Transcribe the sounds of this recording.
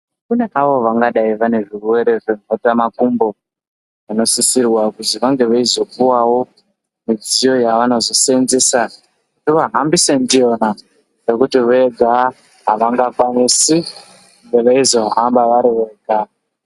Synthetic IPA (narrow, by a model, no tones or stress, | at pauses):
kune̞ʔaʋo̞ʋaŋɡaɗaiʋane̞ʐiruwe̞ɾe̞ʐe̞m̤ʱotamakumbo̞ | ano̞sisirwakuziʋaŋɡe̞ʋaizo̞kuwawo̞ | mid͡zijo̞jaʋano̞zo̞senzesa | kutiʋaɦambise̞ndijo̞na | re̞kutiʋoeɡʱa | ɦaʋaŋɡakwanisi | ŋɡeʋeizo̞ambaʋaɾiʋeɡʱa